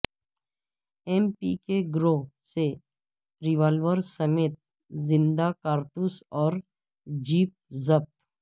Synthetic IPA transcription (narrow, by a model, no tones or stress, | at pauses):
ɛmpikeɡɾoːse | ɾɪʋaːlʋəɾsəmeːt̪̚ | zɪ̃nd̪akaːɾt̪usɔːɾ | d͡ʒiːp̚zəb̚t̪